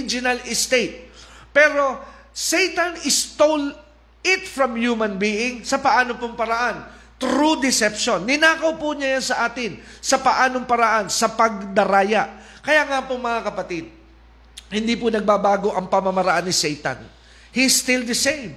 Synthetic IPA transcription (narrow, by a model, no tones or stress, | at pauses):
d͡ʒɪnɐlɪst̪ejt̪̚pɛɾo̞sɛjt̪ɐnɪst̪ol | ɪt̪̚fɹɐmjumɐ̃nbiʔɪŋsɐpɐʔaːno̞poŋpɐɾɐʔan | t̪ɾud̪ɛsɛpʃonːɪnaːkɐwpʊɲajansɐʔaːt̪ɪnsɐpɐʔaːno̞ŋpɐɾɐʔansɐpɐɡ̚d̪ɐɾaːjɐʔkɐjaːŋapoŋmɐŋakɐpɐt̪id̪̚ | hɪnd̪iːpʊnɐɡ̚babaːɡo̞ʔɐŋpɐmɐmɐɾɐʔanːɪsɛjt̪ɐ̰n | hist̪ɪld̪ɛsẽjm